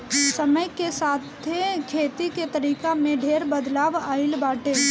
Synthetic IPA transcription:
sɐməjkesaːt̪ʰekʰeːt̪iket̪əɾiːkamẽɖʱeːɾbəd̪laːʋaːɪlbaːʈeː

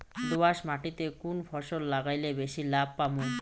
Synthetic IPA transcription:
d̪obaʃmaʈit̪ekunfʰɔʃolːaɡajlebeʃilab̚ʱpamuj

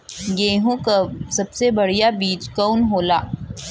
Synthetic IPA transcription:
ɡẽːɦõkasɐbsebɐɽ̤ijabiːd͡ʒkɔʊnɦoːlaː

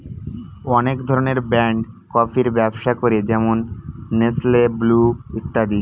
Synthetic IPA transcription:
ɔnekd̪ʱɔɾoneɾbɛɳɖkɔfʰiɾbɛbʃakoɾed͡ʑɛmonːeslebluit̪ːad̪i

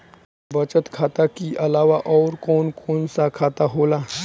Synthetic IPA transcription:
bət͡ɕət̪kʰat̪akiʔəlaʋaʔɔwɾkonkʰonsakʰat̪aɦola

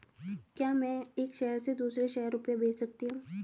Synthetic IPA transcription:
kjaːmɛ̃ːeːkʃɛɦəɾsed̪uːsɾeʃɛɦəɾːʊpjabeːt͡ʃsɐk̚t̪iɦũː

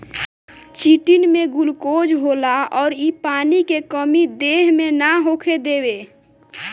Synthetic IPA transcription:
t͡ʃiʈinmẽɡʊlkod͡ʒɦolaɔːɾipaːnikekəmid̪eɦmenaɦoːkʰed̪eːbe

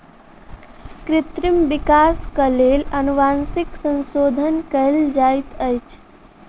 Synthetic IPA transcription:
kɾɪt̪ɾimbikaːskəleːlɐnuʋaːnsiksə̃nsoːd̪ʱənkəld͡ʒaːjt̪əjt͡ʃʰ

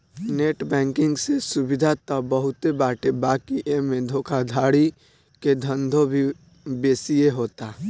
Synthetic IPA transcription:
neːʈbɛ̃ːŋkɪ̃ŋɡsesʊbɪd̪ʱat̪ɔbəɦʊt̪ebaːʈebaːkiʔemẽd̪ʱoːkʰad̪ʱaːɽi | ked̪ʱə̃nd̪ʱobʱi | beːsieɦoːt̪aː

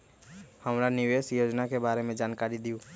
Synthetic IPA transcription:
həmɾanɪʋeːsjoːd͡ʒnakebaːɾemẽd͡ʒaːnkaːɾid̪iuː

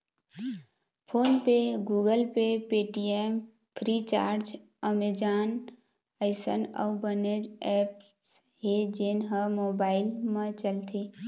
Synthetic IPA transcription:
pʰoːnpeɡuːɡəlpepeʈiem | pʰɾit͡ʃa̰ːɾd͡ʒ | əmed͡ʒaːn | əɪsə̰nɔ̰ubəned͡ʒɛp | ɦed͡ʒenɦəmobaːɪlmẽt͡ʃəlt̪ʰe

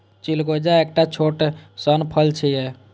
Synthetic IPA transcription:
t͡ʃilɡod͡ʒaekʈat͡ʃʰoʈsənpʰəlt͡ʃʰəjɛ

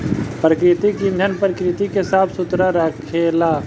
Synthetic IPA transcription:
pɾəkɾɪt̪ikĩnd̪ʱənpɾɪkɾɪt̪ikesaːsʊt̪ɾaɾakʰeːlaː

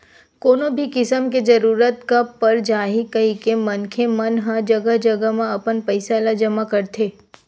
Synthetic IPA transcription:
koːnõbʱikɪsəmked͡ʒɐɾuːɾət̪kapːəɾd͡ʒaːɦikɐikemɐnkʰemɐnɦɐd͡ʒɐɡəɦd͡ʒɐɡəmãɐpənpɐɪsalad͡ʒɐmakɐɾt̪ʰeː

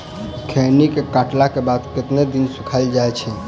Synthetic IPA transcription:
kʰenikekaʈlakebad̪kɪt̪ned̪insukʰald͡ʒajt͡ʃʰɛ

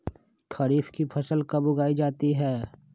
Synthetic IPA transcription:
kʰɐɾiːfkipʰɐsəlkɐbʊɡaːid͡ʒaːt̪iɦɛː

